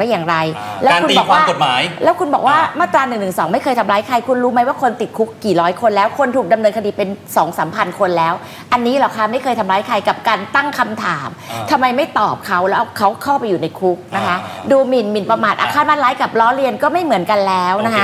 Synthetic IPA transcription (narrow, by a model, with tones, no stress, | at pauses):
a˥˩jaː˨˩ŋɾa˧jlɛː˦˥kʰu˧nbɔː˨˩kwaː˧˥˩ko˨˩maː˩˦jlɛː˦˥wkʰu˧nbɔː˨˩k̚waː˥˩maː˥˩t̪ɾaː˧nɯ˨˩ŋnɯ˨˩ŋsɔː˩˦ŋma˥˩jkʰɤː˧jt̪ʰa˧mlaː˦˥jkʰa˧jkʰu˧nɾuː˦˥ma˦˥jwaː˥˩kʰo˧nt̪i˨˩t̪̚kʰu˦˥kːiː˨˩ɾɔː˦˥jkʰo˧nlɛː˦˥wkʰo˧nt̪ʰuː˨˩k̚da˧mnɤː˧nkʰa˧diː˧pe˧nsɔː˩˦ŋsaː˩˦mpʰa˧nkʰo˧nlɛː˦˥w | ʔa˧nːiː˦˥lɔ˨˩kʰa˦˩ma˥˩jkʰɤː˧jt̪ʰa˧mɾaː˦˥jkʰa˧jka˨˩p̚kaː˧nt̪a˥˩ŋkʰa˧mt̪ʰaː˩˦mt̪ʰa˧mːa˧jma˥˩jt̪ɔː˨˩p̚kʰa˦˥wlɛː˦˥ʔa˧˩kʰa˦˥wkʰaː˥˩pa˧jːuː˨˩na˧jkʰu˦˥k̚na˦˥kʰa˦˥ʔduː˧mi˨˩nmi˨˩npa˧maː˨˩t̪̚ʔaː˧kʰaː˥˩nmaː˥˩laː˦˥jka˨˩p̚lɔː˦˥ɾi˧ənkɔː˥˩ma˥˩jmɯ˩˦ənka˧nlɛː˦˥wna˦˥kʰa˦˥